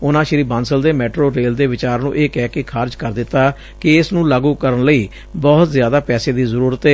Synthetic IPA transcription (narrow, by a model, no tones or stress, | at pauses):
ʊnãːʃəɾiːbãːnsəld̪eːmɛːʈɾoːɾeːld̪eːʋɪt͡ʃaːɾnṵ̃ːʔeːkɛːkɪkʰaːɾd͡ʒkəɾd̪ɪt̪ːaː | kɪɪsnũːlaːɡuːkəɾənləiː | bɔːt̪zjaːd̪aːpɛːseːd̪iːzəɾuːɾət̪ɦɛː